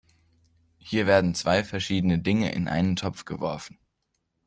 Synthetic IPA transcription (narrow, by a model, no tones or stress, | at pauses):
hiːɐveːɐdn̩t͡sv̥aɪfɛɐʃiːdənədɪŋə̰ʔɪ̰nʔa̰ɪnəntʰɔpp͡fɡ̥əvɔɐfn̩